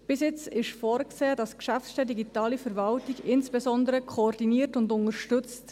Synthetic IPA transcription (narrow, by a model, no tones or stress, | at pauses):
b̥ɪsjɪt͡sɪʃfɔːɾkseːd̥ɑskʃæftsʃtɛdiɡitɑːlifəɾvɑltiɡɪnsb̥ɛzɔndəɾəkʰoːrdiniːɾtʊndʊnəɾʃtʏt͡st